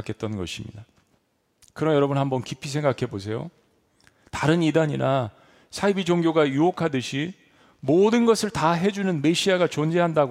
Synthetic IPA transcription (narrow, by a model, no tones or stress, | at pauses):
kʰe̞t̚t͈ʌnɡʌɕʰimɲḭda | kɯɾʌjʌɾʌbunhambʌnkipʰis̬ʰe̞ŋɡakʰe̞bos̬ʰe̞jo̰ | taɾɯnidaɲina | sʰaibid͡ʑoŋɡjoɡajuokʰadɯɕʰi | modɯnɡʌsʰɯɭtaɦe̞d͡ʑunɯnme̞ɕʰiaɡat͡ɕond͡ʑe̞ɦandaɡ